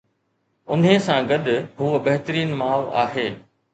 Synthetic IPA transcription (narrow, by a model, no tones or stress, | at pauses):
ʊn̤ɦẽsãɡɐɗ̪ʊɦuːəbɐɦɪt̪əɾiːnmaːʋa̰ːɦeː